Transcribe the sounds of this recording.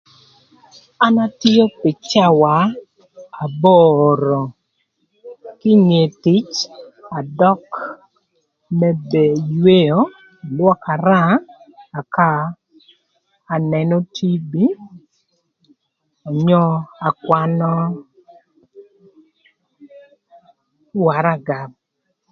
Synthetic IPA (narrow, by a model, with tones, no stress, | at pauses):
a˦na˦ti˦jo˦pɪ˨t͡ʃa˦wa˨ | a˨bɔ˦ɾɔ˨ | kɪ˦ɲe˨tɪ˨˦t͡ʃa˨dɔ˦k | mɛ˦be˨jwe˦jo˦˨ | lwɔ˦ka˨ɾaː˦˨ | ka˦˨ | nɛ˨nɔ˦tʰi˦bi˦ | ɔ˨ɲɔ˦a˨kwa˦nɔ˦ | wa˨ɾa˦ɡa˨b̚